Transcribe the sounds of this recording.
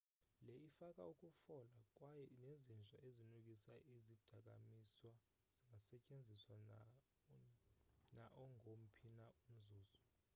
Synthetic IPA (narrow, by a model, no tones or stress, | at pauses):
lɛifakʼa̰ukʼufɔlakʼwajɛnezind͡ɮʱa̰ʔezinuk̬ʼisaʔizid̥ʱak̬ʼa̰miswa | z̥iŋɡʱasɛcʼend͡zʱiswa | naʔɔŋʱom̩pʰinaum̩zuːzɔ